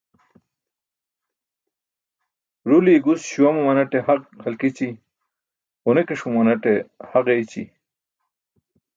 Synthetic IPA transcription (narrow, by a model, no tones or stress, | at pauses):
ɾuliɡusɕuwɐmumɐnɐʈehɐqhɐlkit͡ɕi | onekeʂumɐnɐʈehɐqejt͡ɕḭ